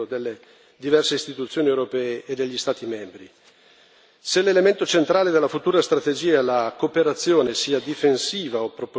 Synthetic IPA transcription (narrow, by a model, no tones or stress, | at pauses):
od̪elːe | d̪ivɛrseist̪it̪ut̪sːjoːniewɾopɛːeʔed̪ːeʎːist̪aːt̪imɛmbɾi | selelement̪ot͡ʃent̪ɾaːled̪elːafut̪uːɾast̪ɾat̪ed͡ʒiːaelakopeɾat̪sːjoːnesiːad̪ifensiːvaopːɾop